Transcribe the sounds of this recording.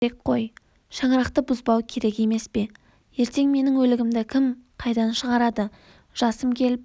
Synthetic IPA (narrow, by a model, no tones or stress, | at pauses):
ek̚qʰo̞j | ʃɑɴəɾɑqt̪əbʊzbɑwkʲʰe̞ɾe̞ke̞me̞spe̞ | je̞ɾt̪e̞ŋme̞nɪŋwɵlɪɡʲɪmd̪ɪkʲʰɪmqʰɑjd̪ɑnʃəʁɑɾɑd̪ə | ʒ̥ɑsəmkʲʰe̞lɪp